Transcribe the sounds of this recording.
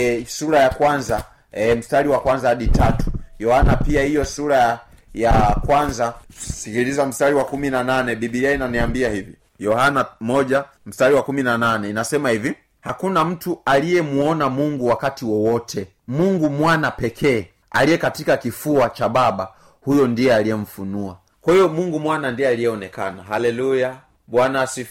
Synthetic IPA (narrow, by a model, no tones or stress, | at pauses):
suɾajakwanza | ɛm̩staɾiwakwanzahaɗitatu̥jɔhanapiahijɔsuɾa | jakwanzasikilizam̩staɾiwakuminananɛɓiɓiainaniambiahivi | jɔhanamɔʄa | m̩staɾiwakuminananɛinasɛmahivi | hakunam̩tualijɛmuɔnamuŋɡuwakatiwɔwɔtʰɛ | muŋɡumwanapɛkʰɛː | a̰lijɛkatikakifuat͡ʃaɓaɓa | hujɔndiɛalijɛm̩funua | kwahijɔmuŋɡumwanandiɛalijɛɔnɛkanaɦalɛluja | ɓwanasi